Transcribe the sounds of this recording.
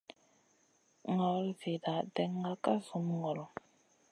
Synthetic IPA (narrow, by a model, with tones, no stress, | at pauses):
ŋɔ˨˦lve˨da˨dɛ˨˦ŋa˦ka˦zu˨˦mŋɔ˨ɾɔ˨